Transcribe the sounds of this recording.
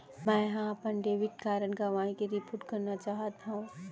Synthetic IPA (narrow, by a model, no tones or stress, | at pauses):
mɛ̃ːɦãɐpənɖeːʋɪʈ̚kaːɾənɡɐʋaːĩkeɾipuʈkɐɾnat͡ʃaːɦt̪aɦũ